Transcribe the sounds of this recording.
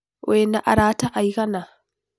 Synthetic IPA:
wɛnaʔa̰ɾaːtaʔajkana

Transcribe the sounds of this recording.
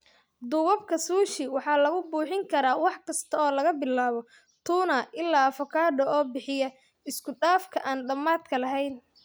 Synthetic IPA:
d̪ʊɣɐb̚kʰɐsuːʃɪwɑħɑːlɐɣʊbuːħɪŋkʰɐɾaːwɑħkʰɐst̪ʰɐɔːlɐɣɐbɪlːaːβɔ | t̪ʰuːnɐʔɪlːaːfɐkʰaːɖɐɔːbɪħɪjɐ | ɪskʰʊɖaːfkʰɐʔaːnɖɐmːaːd̪kʰɐlɐɦɛjn

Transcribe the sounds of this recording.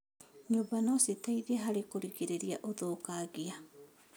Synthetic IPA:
ɲobanositajɾiaɦaɾekoɾiɡeɾeɾiaʔodokaɡia

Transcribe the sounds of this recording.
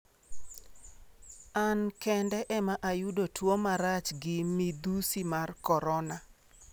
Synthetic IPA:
ankɛndɛʔɛmaʔajudotwomaɾat͡ʃɡɪmid̪usimarkɔɾɔna

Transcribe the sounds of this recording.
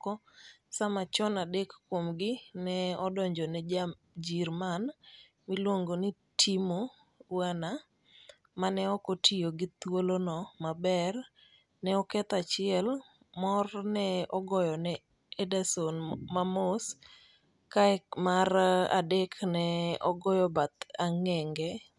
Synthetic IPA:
ɔsamat͡ʃɔnadekːwomɡɪnɛɔdɔɲd͡ʒɔnɛ | d͡ʒiɾman | milwoŋɡoni | tʰimo | wana | manɛɔkotʰioɡit̪wolonɔmabɛr | nɛɔkɛt̪at͡ʃɪɛl | mɔrnɛɔɡɔjɔnɛ | edasonmamos | kaɛmaɾa̰dɛknɛɔɡɔjɔbat̪aŋɛŋɡɛ

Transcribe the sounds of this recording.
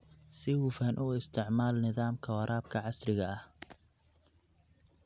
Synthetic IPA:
sɪhʊfɐːnʔuːɪst̪ʰɪʕmaːlnɪðaːmkʰɐwɐɾʔaːb̚kʰɐʕɑsrɪɣɐɐh

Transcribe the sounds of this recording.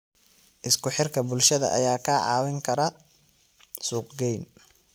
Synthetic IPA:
ʔɪskʰʊħɪrkʰɐbʊlʃɐðɐ̰ʔɐ̰jaːkʰɐʕɑ̰ːwɪŋkʰɐɾɐ | suːqɡɛjn

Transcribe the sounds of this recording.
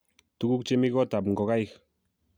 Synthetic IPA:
t̪ukuk̚t͡ʃemiɣot̪apŋɡoɣajx

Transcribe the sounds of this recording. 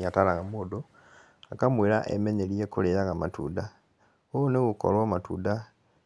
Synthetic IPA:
atalaɣamoːdo | akamweɾa̰ʔḛmeɲeljekulejaɣamatṵda | oneɣuko̰lwamatṵda

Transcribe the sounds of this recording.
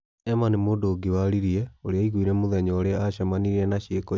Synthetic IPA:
ɛmanimoːdoːɡewaɾiɾiɛoɾeaiɣwiɾɛmoðɛɲɔoɾeaaɕamaniɾiɾɛnaɕekɔ

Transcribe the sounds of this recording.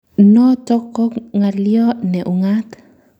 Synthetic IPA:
not̪okokŋalioneʔuŋat̪

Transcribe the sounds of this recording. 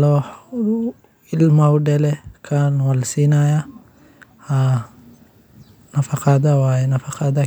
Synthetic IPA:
lɔ | ɪlmawɖɛlɛkʰanwɐlsiːnaja | ha | nɐfɑqɑd̪ɐwaːjɛnɐfɑqɑd̪ɐ

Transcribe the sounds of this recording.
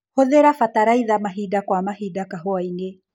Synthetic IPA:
hɔðɛɾafataɾaiðamaɦidakwamahidakaɦoaiŋɡe

